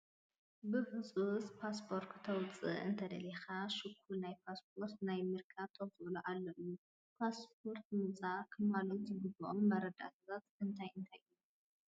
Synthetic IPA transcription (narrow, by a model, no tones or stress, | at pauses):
bɨfɨt͡sʼuspʰaspʰo̞ɾkʰɨt̪ʰɐwt͡sʼɨ̰ʔɨ̰nt̪ʰɐd̪ɐlexaʃɨkʰːulnajpʰasp̚ʰo̞ɾt̪najmɨɾkʰaβ̚t̪ʰɐwxʔluʔalːɐʔu | pʰasp̚ʰo̞ɾt̪̚mɨt͡sʼakʰɨmalot̪zɨɡɨbʔomːɐɾɐd̪a̰t̪ʰat̪ʰat̪ɨnt̪ʰajɨnt̪ʰajʔɨju